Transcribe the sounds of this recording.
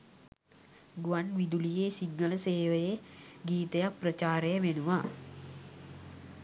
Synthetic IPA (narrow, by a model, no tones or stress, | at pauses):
ɡuʋanʋid̪ulijeːsiŋːələseːʋəjeɡiːt̪əjak̚prət͡ʃaːɾejəʋenuʋa